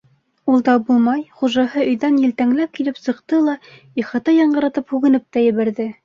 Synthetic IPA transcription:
ulˠd̪ɑbulˠmɑjχuʒɑhɤɵ̆jðænjɘ̆lt̪æŋlæp̚kilɘpsɤ̆qt̪ɤlˠɑ | iχɑt̪ɑjɑɴɢɤ̆ɾɑt̪ɤphʉɣɘ̆nɘp̚t̪æjɘ̆βæɾðɘ

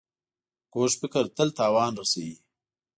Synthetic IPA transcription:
koːʃfɪkəɾt̪əlt̪ɑːwɑːnɾasawiː

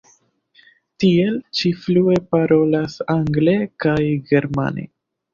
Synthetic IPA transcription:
tie̞lt͡ʃiflue̞paɾo̞lasaŋɡle̞kajɡe̞ɾma̰nḛ

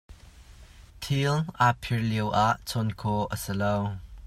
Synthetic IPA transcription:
t̪ʰilʔapʰiɹliəwʔaʔt͡sʰɔnkʰɔʔəsilow

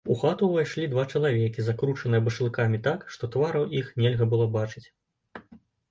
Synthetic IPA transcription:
uxat̪uvajʂlʲid̪vat͡ʂɐlˠavʲɛkʲizakɾut͡ʂɐnɨjɐbɐʂlˠɨkamʲit̪akʂt̪ɔt̪vaɾɐwixnʲɛlʲɣɐbɨlˠɔbat͡ʂɨt͡sʲ

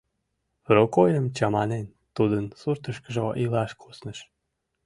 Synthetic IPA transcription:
rokojəmt͡ɕɑmɑnen | t̪ud̪ənsurt̪əʃkəʒoʔilɑʃkʰosnəʃ

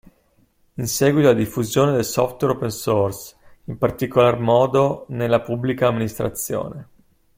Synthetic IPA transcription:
insɛːɡwit̪olad̪ifːuzjoːned̪elsɔft̪wɛɾopensorsimpart̪ikolarmɔːd̪onelːapubːlikaːmːinist̪ɾa̰t̪sːjo̰ːne

